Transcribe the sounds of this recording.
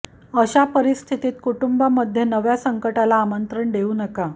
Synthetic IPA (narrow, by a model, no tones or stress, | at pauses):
əɕapəɾist̪ʰit̪iːt̪̚kuʈumbaməd̪ʱjenəʋjasəŋkəʈalaːmənt̪ɾəɳɖeunəka